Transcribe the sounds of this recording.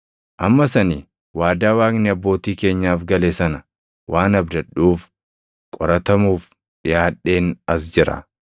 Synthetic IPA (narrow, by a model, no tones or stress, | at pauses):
ʔɐmːɐsɐniː | waːd̪aːwaːknɪɐbːo̞ːt̪iːke̞ːɲːaːfɡɐleːsɐnɐ | wʔaːnɐbd̪ɐᶑːuːf | kʼɔɾɐt̪ɐmuːf | ᶑɪjaːᶑːe̞ːnɐsd͡ʒɪɾɐ̰